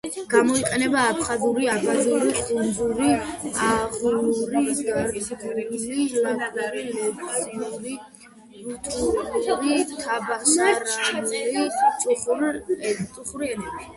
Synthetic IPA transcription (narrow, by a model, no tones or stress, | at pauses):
ɡ̥amɔiqʼɛnɛbaːpʰχazuɾiabazuɾiχund̪uɾiaʁuluɾiɡaɾɡliauɾilɛtʼsinuɾi | t̪ʼuuɾit̪ʰabasaɾanɛiuχ | t̪ʼuχuɾiɛnɛbi